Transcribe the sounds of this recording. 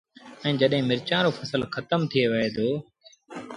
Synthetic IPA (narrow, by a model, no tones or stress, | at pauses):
ɛ̃ːd͡ʒəɗɦɪ̃ːmɪɾt͡ʃãːɾoːfʰəsəlxət̪əmt̪ʰɪeːʋɪɦeːd̪oː